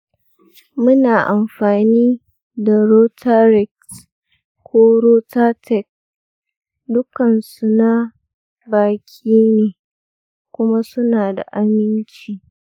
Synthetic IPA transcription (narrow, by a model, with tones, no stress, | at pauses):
mʊ˦naː˨ʔa˨mɸaː˨niː˦ | da˨ɾoː˦tʰa˦ɾɛ˨ks | kʷːoː˦ɾoː˦taː˦tʰɛ˨k̚ | dʊ˦kɐ˨nsu˨na˦ | baː˨kʲʰiː˦neː˨ | kʷʊ˦ma˦sʊ˦naː˨da̰˨ʔa˦mɪ˦nt͡ʃiː˨